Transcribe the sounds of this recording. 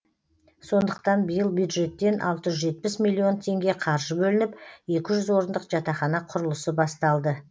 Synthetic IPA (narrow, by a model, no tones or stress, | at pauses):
so̞nd̪əqt̪ɑnbəjəlˠbjud̪ʒe̞t̪ːe̞nʔɑ̰lˠt̪əʒʏzʒe̞t̪̚pɪsmilʲˠːio̞nt̪ʰe̞ŋɡʲe̞qʰɑɾʒəbɵlɪnɪpje̞kʲɪʒʏzwo̞ɾənd̪əqʒ̥ɑt̪ɑχɑnɑqʰʊɾəlˠəsəbɑst̪ɑlˠd̪ə